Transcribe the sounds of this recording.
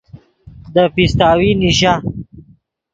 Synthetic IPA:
d̪əpist̪aːwiniɕa

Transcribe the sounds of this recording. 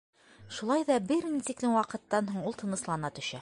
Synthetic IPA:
ʃulˠɑjðɑbɘɾnit̪iklɘmwɑqɤ̆t̪ːɑnɦuɴulˠt̪ʰɤ̆nɤ̆slˠɑnɑt̪ɵ̆ʃæ

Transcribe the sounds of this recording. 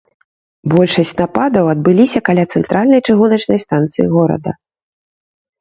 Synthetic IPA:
bɔlʲʂɐsʲt͡sʲnapad̪ɐwɐd̪bɨlʲisʲɐkalʲat̪sɛnt̪ɾʔalʲnɐjt͡ʂɨɣunɐt͡ʂnɐjst̪ant̪sɨjiɣɔɾɐ̰d̪ɐ̰

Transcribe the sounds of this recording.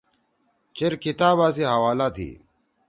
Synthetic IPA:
t͡ɕeɾkit̪aːbaːs̬iɦɐwaːlaːt̪ʰḭː

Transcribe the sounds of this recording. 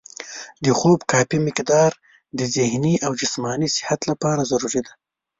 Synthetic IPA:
d̪əxobkɑpimɪkd̪ɑɾ | d̪əzɪhniʔawd͡ʒɪsmɑnisɪ̥hat̪lapɑɾazaɾuɾid̪a

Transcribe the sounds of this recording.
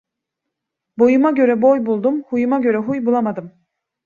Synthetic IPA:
bo̞jumaɟø̞ɾɛbo̞jbulˠd̪umhujumaɟø̞ɾɛɦujbulˠamad̪ɯm

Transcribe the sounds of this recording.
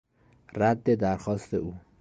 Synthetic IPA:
ræd̪ːed̪æɾxɒːst̪euː

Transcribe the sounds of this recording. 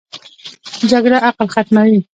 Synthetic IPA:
d͡ʒaɡɽaʔaqlxat̪mawi

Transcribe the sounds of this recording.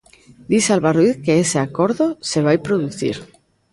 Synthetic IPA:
d̪isalβaruiθkeeseakoɾðoseβ̞ajpɾoðuθḭɾ

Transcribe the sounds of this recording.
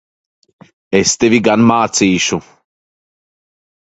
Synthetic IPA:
est̪evʲiɡanmaːt̪siːʃu

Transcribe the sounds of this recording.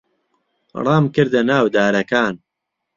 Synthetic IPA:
rˤɑːmkɨɾd̪ɐnaːwd̪aːɾɐkaːn

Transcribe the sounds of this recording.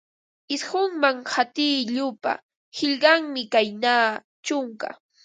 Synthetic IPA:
ɪshʊŋmaŋhat̪ɪːʎʊpa̰ | hɪʎɢɑŋmɪkajnaː | t͡ʃʊŋka̰

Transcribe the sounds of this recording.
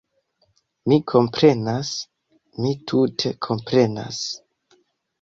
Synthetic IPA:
mikʰo̞mpɾe̞nas | mitʰutʰe̞kʰo̞mpɾe̞na̰s

